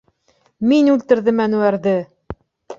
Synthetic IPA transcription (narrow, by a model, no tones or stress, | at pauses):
minʉlt̪ɘ̆ɾðɘmænuæɾðɘ